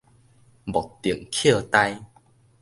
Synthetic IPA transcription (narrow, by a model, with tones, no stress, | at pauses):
bɔ˨˩t̪i˨˩əŋkʰə˥˧˨t̪a˧j